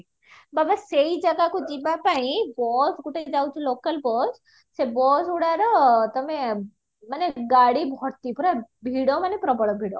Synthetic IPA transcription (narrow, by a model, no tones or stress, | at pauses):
babasejd͡ʒaɡakud͡ʒibapaĩbɔsɡuʈed͡ʒawt͡ʃʰilokəlbɔs | sebɔsuɽaɾɔt̪ɔme | maneɡaɽibʱɔɾt̪ipuɾabʱiɽɔmanepɾɔbɔɽɔbʱiɽɔ